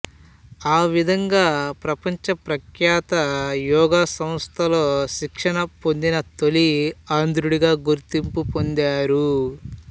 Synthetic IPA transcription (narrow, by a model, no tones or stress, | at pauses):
aːʋid̪ʱɐŋɡaːpɾɐpɐɲt͡ʃɐpɾɐkjaːt̪ɐjɔːɡaːsɐmst̪ʰɐlo̞ːʃikʂɐɳɐpond̪inɐt̪oliaːnd̪ɾuɽiɡaːɡuɾt̪impupond̪aːɾu